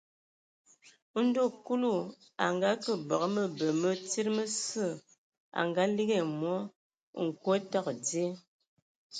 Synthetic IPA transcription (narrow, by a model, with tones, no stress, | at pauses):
n̩˦do˦˨ku˦lu˦˨ | a̰˨ŋɡa˦kə˦bɔ˨ɣmə˦bə˨mə˦ti˦ɾmə˦sə˦˨ | a̰˨ŋɡa˦li˦ɡɛ˦˨mwɔ˦ | ŋ̩˨ko˦ta˦˨kde˦